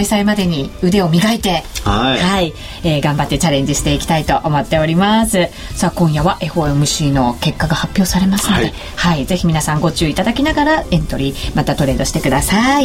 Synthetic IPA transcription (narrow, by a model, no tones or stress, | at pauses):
aisaimad̪e̞ɲ̟iɯ̟d̪e̞o̞mʲiɡait̪e̞hai | eːɡãmbat̪ːe̞t͡ɕaɾẽ̞ɲ̟d͡ʑiɕi̥t̪e̞ikʲi̥t̪ait̪o̞ʔomo̞t̪ːe̞o̞ɾʲimasɨ | saːkõ̞ɰ̃jaβaʔe̞ɸo̞emɯ̟ɕiːno̞ke̞kːaɡahapʲːjo̞ːsaɾe̞masɨno̞d̪e̞ | haize̞çimʲinasãŋɡo̞t͡ɕɨːit̪ad̪akʲinaɡaɾaẽ̞nt̪o̞ɾʲimat̪at̪o̞ɾe̞ːd̪o̞ɕi̥t̪e̞kɯ̟d̪asai